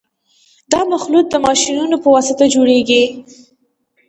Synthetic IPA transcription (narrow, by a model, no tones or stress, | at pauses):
d̪ɑmaxlut̪̚d̪əmɑʃinunopəwɑsɪt̪ad͡ʒoɽeɡi